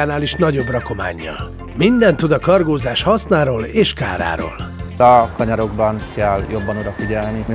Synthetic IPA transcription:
aːnaːliʃnɒɟo̞brɒko̞ma̰ːɲːɒ̰l | mind̪ɛnt̪ːud̪ɒkɒrɡoːzaːʃhɒsnaːɾoːleːʃka̰ːɾa̰ːɾo̰ːlɒkɒɲɒɾo̞ɡbɒnkɛljo̞bːɒnod̪ɒfiɟɛlnim

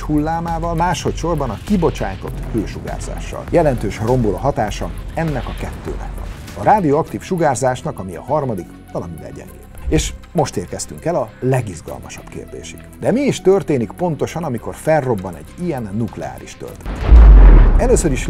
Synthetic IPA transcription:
hulːaːmaːvɒlmaːʃo̞t̪ʃo̞rbɒnɒkibo̞t͡ʃa̰ːjt̪o̞t̪føːʃuɡa̰ːrza̰ːʃːɒ̰ljɛlɛnt̪øːʃro̞mbolo̰ɦɒt̪aːʃɒɛnːɛkɒkɛt̪ːø̰ːnɛ̰kʋɒ̰nɒɾaːd̪ioɒkt̪iːfʃuɡaːrzaːʃnɒkɒmiɒ̰ɦɒrmɒd̪ik | vɒlɒmivɛ̰lɟɛ̰ŋɡḛːeːʃmo̞ʃt̪eːrkɛst̪yŋkɛlɒlɛɡizɡɒ̰lmɒʃɒbkḛːrd̪ḛːʃiɡd̪ɛmiːʃt̪ørt̪eːnikpo̞nt̪o̞ʃɒnɒmiko̞rfɛrːo̞bːɒnɛɟːijɛnːuklɛa̰ːɾiʃt̪ø̰lt̪ɛ̥t̪ | ɛløːsøɾiʃ

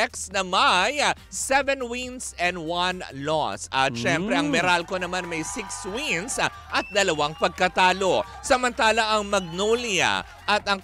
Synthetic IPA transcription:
ɛksnɐmɐj | sɛvɛnwinsɛ̃nd̪wɐnlɔ̰sʔɐ̰ʃɛmpɾɛʔɐŋmɛɾalko̞nɐmanmɐjsɪkswins | ʔɐt̪̚d̪ɐlɐwaŋpɐɡ̚kɐt̪aːlo̞ | sɐmɐnt̪aːlɐʔɐŋmɐɡ̚nolɪa̰ | ʔɐt̪ɐŋ

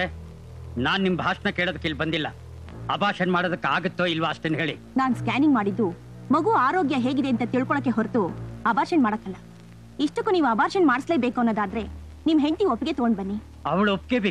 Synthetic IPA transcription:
e | naːnnimbʱaːʂɐnɐkeːɭod̪ɐkːilbɐnd̪ilːɐ | ɐbaːɾʂɐnmaːɽod̪ɐkːaːɡɐt̪ːoːilʋɐːʂʈenɦeːɭi | naːnskaːniŋɡmaːɽid̪ːu | mɐɡuaːɾoːɡjɐɦe̞ːɡid̪e̞ɐnt̪ɐt̪iɭkɔɭɐkːe̞ɦoɾt̪uɐbaːɾʃɐnmaːɽɐkːɐlːɐ | iʂʈɐkːuniːʋuɐbaːɾʃɐnmaːɽisle̞ːbeːkuɐnːoːd̪aːd̪ɐɾe̞ | nimɦe̞nt̪iopːɡet̪oɡoɳbɐnːi | ɐʋɐɭuop̚keːbeː

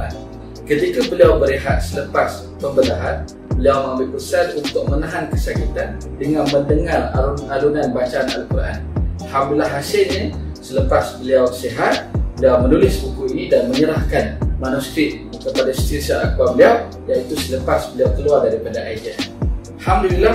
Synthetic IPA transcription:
kuʔa̰n | kət̪ikabəliawbəɾiɦat̪̚sələpas | pəmbəlaɦan | bəliawmãmbɪpərsalunt̪ʊk̚mənaɦankəsakit̪andəŋanməndəŋara̰lunalunanbat͡ʃaːna̰lkura̰nhamdulaɦasɪlɲə | sələpasbəliawseɦat̪̚bəliawmənulɪsbukuiidanməɲəɾahkanmanusk̪ɾiʔ̚ | kəpadaist̪isaʔakuabəliaw | jait̪usələpasbəliawk̪əluardaɾipadaʔaidia | hamdulila

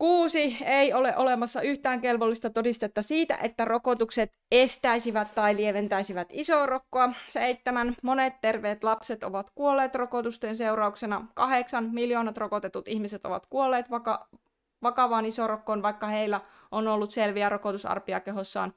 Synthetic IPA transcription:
kuːsieioleʔo̞le̞mɑsːɑyht̪æːŋke̞lʋolːist̪ɑt̪odist̪et̪ːɑsiːt̪æ̰ʔet̪ːærokot̪ukset̪ | est̪æisiʋæt̪t̪ɑilieʋent̪æisiʋæt̪isoːrokːoɑseit̪ːemænmonet̪tːe̞rʋeːt̪lɑpset̪o̰ʋɑt̪kuolːeːt̪rokot̪ust̪enseuɾɑuksenɑkɑɦeksɑnmiljoːnɑt̪rokot̪et̪ut̪ihmiset̪o̰ʋɑ̰t̪kuolːeːt̪ʋɑkɑ | ʋɑkɑʋɑːnisoːrokːoːnʋɑikːɑheilːæ | ʔonolːut̪selʋiæɾokot̪usɑ̰rpiɑ̰keɦosːɑ̰ːn

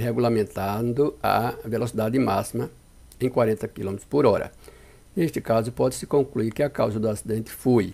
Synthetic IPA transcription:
heɡulamẽnt̪ãnd̪ʊɐ̰velosid̪ad̪ɪmasimɐ | ẽj̃kwaɾẽnt̪ɐkilõmet̪ɾʊ̥spoɾɔɾɐ̰ | nest̪ɪkazʊpɔd̪ɪsɪ̥kõŋkluiɾkɪakawzɐd̪ʊasid̪ẽnt̪ɪ̥foj

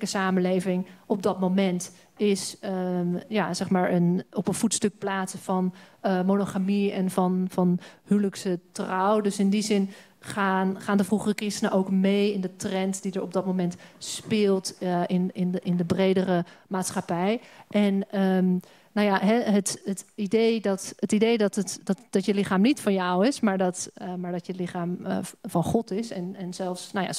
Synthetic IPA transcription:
kəsaːmənlejvɪŋɔpb̚dɑtmomɛnt | ɪsəjaːz̥ɛχmaːɹənɔpənv̥utstɵk̚plaːtsəv̥ɑnmonoχamiɛnvɑnvɑnhywləksətrɑwdɵsɪndizɪn | χanχaːndəvruχərəkrɪstənəʔowkmejɪndətrɛntdidəɹɔb̚dɑt̚momɛntspɪːlˠtɪnɪnɪndəbrejdərəmaːtsχapɛjʔɛnəm | nawjaɦɛɦətətidejdɑthətidejdɑtətdɑtd̥ɔtjəlɪχaːmnitfɑnjɔwɪsmaːɹdɔtmaːɹdɔtjəlɪχaːm̰vɑnχɔtɪsɛnɛnzɛlˠfsnaja̰

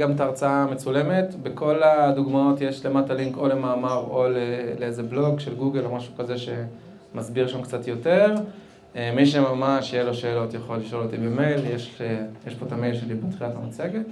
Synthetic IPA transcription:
ɡamtaːʁt͡saamet͡sule̞me̞tbeko̞laduɡmao̞tjeʃle̞mataliŋko̞le̞maːmaʁo̞leleezeblo̞ɡʃelɡuɡe̞lo̞maʃu̥kazeʃe̞ | mazbiʁʃamkt͡satjo̞te̞ʁ | emiʃe̞mamaʃjelo̞ʃeːlo̞t̪jaχo̞lːiʃo̞lot̪ibeme̞jljeʃjeʃpo̞t̪amejlʃelibet̪χiatamat͡seɡet

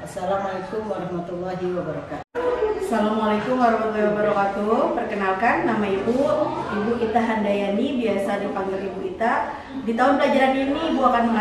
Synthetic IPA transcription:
asalamalakʊmwaɾɑhmat̪ulːaɦiwabaɾakat̪asalamalakʊmwaɾɑhmat̪lːaɦiwabəɾakat̪upərkənalkanːamaibuibukit̪aɦandajanibiasadipaŋɡilibukit̪a | dit̪aʊnplad͡ʒaɾaniniːbuakanməŋa

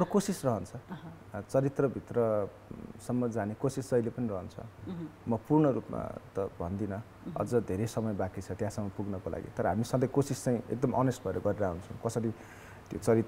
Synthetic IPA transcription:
ʌɾokosisrʌɦʌnt͡sʰʌ | t͡sʌɾit̪rʌbʱit̪rʌ | sʌmːʌd͡zanekosisʌjlepʌnirʌɦʌnt͡sʰʌ̰mʌpurɳʌɾupma̰t̪ʌbʱʌnd̪inʌ | ʌ̰d͡zʌd̪ʱeɾesʌmʌjbakit͡sʰʌt̪jãsʌmːʌpuɡnʌkolʔa̰ɡḭt̪ʌɾʌɦamisʌ̃ŋd̪ʌjkosist͡saĩḛk̚d̪ʌmʌnesʈ̚bʱʌeɾʌɡʌɾeɾaɦunt͡sʰʌw̃kʌsʌɾi | t̪jo̰t͡sʌɾit̪

